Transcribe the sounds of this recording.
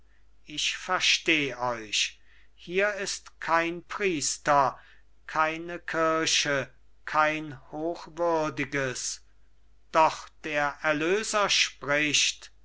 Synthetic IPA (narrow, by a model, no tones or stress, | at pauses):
ʔɪʃfɛɐʃteːʔɔʏʃ | hiːɐɪstkʰaɪnpʁ̥iːstɐ | kʰaɪnəkʰɪɐʃə | kʰaɪnhoːxvʏɐdɪɡəs | d̥ɔχd̥eːɐʔɛɐløːzɐʃpʁɪʃt